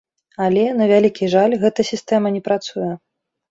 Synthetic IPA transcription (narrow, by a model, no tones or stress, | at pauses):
alʲɛnɐvʲalʲikʲiʐalʲɣɛt̪ɐsʲist̪ɛmɐnʲɛpɾat̪sujɛ